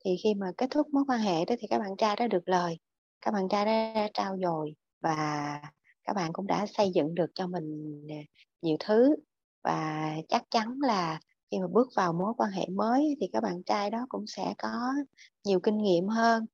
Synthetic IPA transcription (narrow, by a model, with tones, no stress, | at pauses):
t̪ʰi˨˩xi˧maː˨˩ke˦˥t̚t̪ʰʊ˦˥k̚mo˨˦jkwaː˧nɦḛ˧˨ɗɔ˨˦t̪i˨˩kaː˦˥k̚ɓa̰ː˧˨nt͡ɕaː˧jɗa̰ː˧˥ɗɨ˨˩ək̚ləː˨˩j | kaː˦˥k̚ɓa̰ː˧˨nt͡ɕaː˧jɗa̰ː˧˥a̰ː˧˥t͡ɕaː˧wzo˨˩j | vaː˨˩ | kaː˦˥k̚ɓa̰ː˧˨nkʊ̰˧˥ŋ͡mɗa̰ː˧˥sə˧jzɨ̰˧˨ŋɗɨ˨˩ək̚t͡ɕɔ˧mï˨˩ŋ̟˨˩ | ɲi˨˩əwt̪ʰɨ˨˦ | va̰ː˨˩t͡ɕa˦˥k̚t͡ɕa˨˦nlaː˨˩ | xi˧maː˨˩ɓɨ˦˥ək̚vaː˨˩wmo˨˦jkwaː˧nɦḛ˧˨məː˨˦jʔt̪ʰi˨˩kaː˦˥k̚ɓa̰ː˧˨nt͡ɕaː˧jɗɔ˨˦kʊ̰˧˥ŋ͡msɛ̰˧˥kɔ˨˦ɲi˨˩əwkï˧ŋ̟ŋḭ˧˨əmɦəː˧n